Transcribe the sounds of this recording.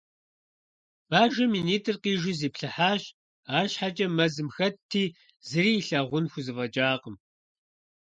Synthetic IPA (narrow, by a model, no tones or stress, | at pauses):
b̥aːʒɐmiːniːtʰʼɨrqiːʒɪziːpɬɨħaːʃ | aːʃħat͡ʃʼɐmɐzɨmxɐtʰːiː | zɨɾiːɬɐʁʷʊnxʷʊzɨvɐt͡ʃʼaːqəm